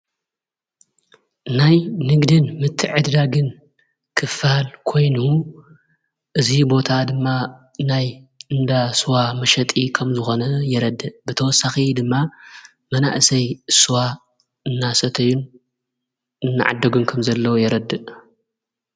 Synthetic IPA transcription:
najnɨɡd̪ɨnmɨt̪ʰːɨʕɨd̪d̪aɡɨn | kʰɨfaalkʰo̞jnu | ʔɨzibo̞t̪ʰad̪ɨmːa | najɨnd̪asuwamɐʃɐt̪ʼikʰɐmzɨxo̞nɐjɛɾɐd̪ːɨʔbɨt̪ʰɐwɔsːaxid̪ɨmːa | mɐna̰ʔɨsɐjsuwa | ɨnːasɐt̪ʰɐjun | ɨnːa̰ʕa̰d̪ːɐɡunkʰɐmzɐlːɐwujɛɾɐd̪ːɨʔ

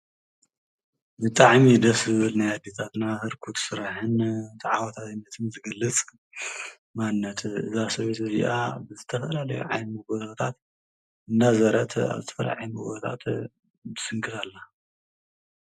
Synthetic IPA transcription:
bɨt̪ʼaʕmid̪ɐszɨβɨlnajad̪et̪ʰat̪nahɨɾkʰut̪sɨɾaħɨnt̪ʰʼaʕawat̪ʰat̪ɨnːɐt̪ʰɨnzɨɡɐlːɨt͡sʼ | manːɐt̪ʰʔɨ̰zasɐβet̪ɨziʔa̰bɨzɨt̪ʰɐfɐlalɐjṵʕa̰jnmɨɡot̪at̪ʰat̪ | ɨnd̪azɐɾɐt̪ʰa̰βzɨt̪ʰɐ̥fɐla̰ʕajmɨɡot̪ʰa̰t̪ | bɨsɨŋkʰɨt̪ʰalːa

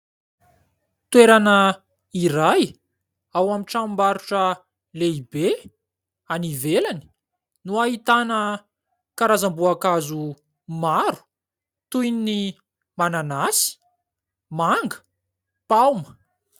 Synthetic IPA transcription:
t̪weɾanə | iɾaj | awamiʈ͡ʂammbaɾuʈ͡ʂə | leibe | anivelani̥ | nuaɦit̪anə | kaɾazambuakazu | maɾu̥ | t̪ujnini | mananasi̥ | maŋɡə̥ | pawmə̥

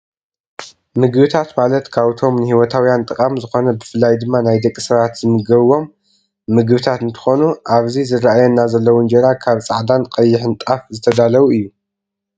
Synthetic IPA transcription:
mɨɡβɨt̪ʰat̪malɐt̪kʰaβt̪ʰo̞mnɨhiwɔt̪ʰawjant̪ʼɨkʼamzɨxo̞nɐbɨfɨlːajd̪ɨmːanajd̪ɐkʼːisɐβat̪zɨmɨɡɐβwo̞mː | ɨɡβɨt̪ʰat̪ɨnt̪ʰɨ̥xo̞nuʔaβzizɨɾaʔajɛnːazɐlːɐwund͡ʒeɾakʰaβt͡sʼaʕd̪anqʼɐjːɪħɨnt̪ʼafzɨt̪ʰɐd̪alɐβuɨjːu

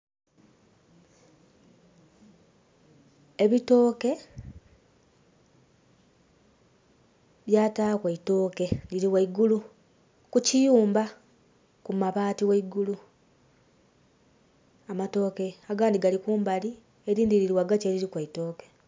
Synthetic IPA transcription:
eβito̞ːke̞ | βjaːtaːkweito̞ːke̞liɾiwaiɡulu | kucijuːmba | kumaβaːtiwaiɡulu | amato̞ːke̞aɡaːndiɡalikuːmbali | eɾiːndiɾiɾiwaɡaceɾiɾikwaito̞ːke̞

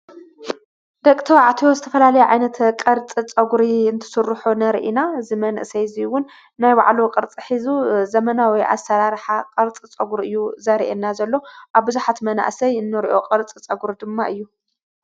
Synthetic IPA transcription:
d̪ɐkʼt̪ʰɐwaʕt̪ʰijozɨt̪ʰɐfɐlalɐjuʕajnɐt̪kʼɐɾt͡sʼit͡sʼɐɡuɾiɨnt̪ʰɨ̥sɨrːħunɐɾʔinaɨzimɐnʔsɐjziwʊnː | ajba̰ʕluqʼɐɾt͡sʼɨħizuzɐmɐnawɔjʔa̰sɐɾaɾħaqʼɐɾt͡sʼit͡sʼɐɡuɾiɨjːuzɐɾiʔenːazɐlːo̞ʔaβbɨzuħat̪mɐna̰ʔsɐjɨnːɨɾiʔo̞qʼɐɾt͡sʼit͡sʼɐɡuɾid̪ɨmːaʔɨjːu

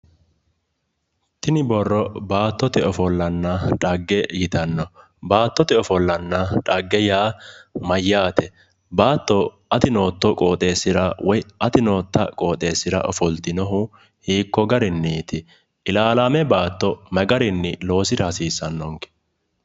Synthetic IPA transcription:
t̪ɪnɪbɔrːɔbaːt̪ːɔt̪ɛɔfɔlːɐnːɐᶑʼɐɡːɛjɪt̪ɐnːɔ | baːt̪ːɔt̪ɛɔfɔlːɐnːɐᶑʼɐɡːɛjaːmɐjːaːt̪ɛ | baːt̪ːɔ | ɐt̪ɪno̞ːt̪ːɔkʼoːt̪ʼe̞ːsːɪɾɐwɔjʔɐt̪ɪno̞ːt̪ːɐkʼo̞ːt̪ʼe̞ːsɪɾɐ̰ʔɔfɔlt̪ɪnɔɦʊ | hiːkːɔɡɐɾɪnːiːt̪ɪ | ɪlaːlaːmɛbaːt̪ːɔmɛɡɐɾɪnːɪlo̞ːsɪɾɐhɐsiːsɐnːɔŋkɛ̥

